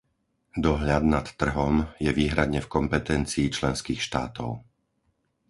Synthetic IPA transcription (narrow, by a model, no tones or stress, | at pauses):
d̪ɔɦʎad̪nat̪ːr̩ɦɔmjɛʋiːɦɾad̪ɲɛfkɔmpɛt̪ɛnt͡siːt͡ʃlɛnskiːxʃt̪a̰ːt̪ɔʊ